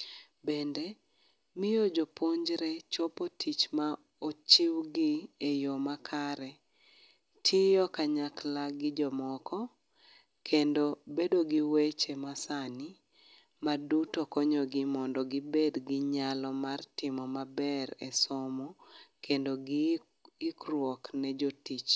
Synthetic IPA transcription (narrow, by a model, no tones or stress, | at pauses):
bende | mɪjod͡ʒopʰoɲd͡ʒɾɛt͡ʃɔpotʰit͡ʃma | ot͡ʃiwɡɪejomakʰaɾɛ | tʰijɔkaɲaklaɡɪd͡ʒɔmɔkʰɔ | kʰendobedoɡiwet͡ʃemasani | madutokɔɲɔɡɪmɔndɔɡɪbedɡɪɲalɔmartɪmɔmabɛɾɛsɔmokʰendo | ikrwɔknɛd͡ʒotit͡ʃ